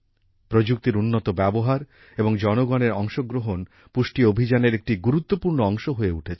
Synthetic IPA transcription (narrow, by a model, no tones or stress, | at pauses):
pɾod͡ʑuk̚t̪iɾunːot̪obɛboɦaɾ | eboŋd͡ʑɔnoɡɔneɾɔŋʃoɡɾoɦon | puʃʈiobʱid͡ʑaneɾek̚ʈiɡuɾut̪ːopuɾnoɔŋʃoɦoeuʈʰet͡ɕʰe